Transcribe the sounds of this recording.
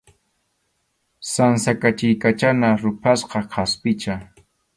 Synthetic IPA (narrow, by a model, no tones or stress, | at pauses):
sansakat͡ʃɪjkat͡ʃanaɾʊpʰasqɑqʰaspɪt͡ʃa